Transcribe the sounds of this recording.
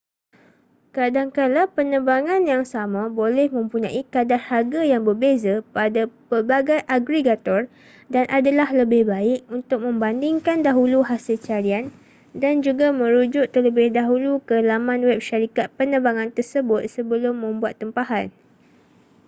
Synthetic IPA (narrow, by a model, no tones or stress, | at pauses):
kadaŋkalapənəbaŋãnjaŋsamãbolɛhmə̃mpuɲã̰ʔikadarharɡajaŋbərbezapadapərbaɡajʔaɡɾiɡat̪ɔr | danʔadalahləbɪhbaɪk̚unt̪ʊk̚mə̃mbandɪŋkandaɦuluɦasɪlt͡ʃaɾian | dand͡ʒuɡamə̃ɾud͡ʒʊt̪t̪ərləbɪhdaɦulukəlamãnwɛp̚ʃaɾikat̪̚pənəbaŋãnt̪ərsəbʊt̪̚səbəlʊmːə̃mbuat̪ːəmpaɦan